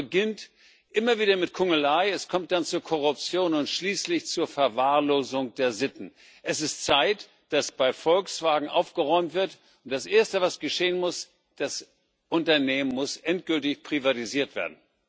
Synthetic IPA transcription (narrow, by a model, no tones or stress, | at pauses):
əɡɪnt | ʔɪmɐviːɾɐmɪtkʰʊŋəlaɪɛskʰɔmt̚d̥ant͡suːɐkʰɔʁ̞ʊp̚t͡sjoːnʊntʃliːslɪçt͡suːɐfɛɐvaːɐloːzʊŋd̥eːɐzɪtn̩ | ʔɛsɪstt͡saɪt | d̥asb̥aɪfɔlksv̥aːɡŋ̩ʔa̰ʊfɡ̥əʁɔʏmtv̥ɪɐt | ʊnt̚d̥asʔeːɐstəvasɡ̥əʃeːənmʊs | d̥as | ʔʊntɐneːmənmʊsʔɛntɡ̥ʏltɪçpʁ̥ivatiziːɐtv̥ḛːɐdn̩